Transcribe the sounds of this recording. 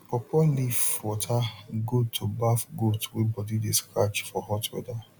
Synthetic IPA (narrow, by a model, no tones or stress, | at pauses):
pɔpɔlifwɔtʰaɡotʰobafɡotwebɔdideskɾat͡ʃfɔɦɔtwɛ̰da